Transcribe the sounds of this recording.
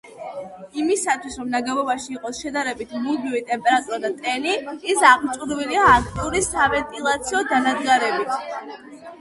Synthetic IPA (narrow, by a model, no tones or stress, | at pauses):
imisat̪ʰwisɾɔmnaɡɛvɔbaʃiːqʼɔsʃɛd̪aɾɛbit̪ʰmulɡivit̪ʼɛmpʼɛɾat̪ʼuɾad̪at̪ʼɛniːsaʁmt͡ʃʼuɾviliaːk̚ʰt̪ʼiuɾisavɛnt̪ʼilˠat̪sʰiɔd̪anad̪ɡaɾɛbit̪ʰ